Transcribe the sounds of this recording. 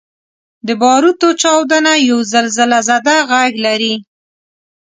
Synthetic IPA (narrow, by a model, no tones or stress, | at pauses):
d̪əbɑɾut̪ot͡ʃɑwd̪anajawzəlzəlazad̪aɣaɡlaɾi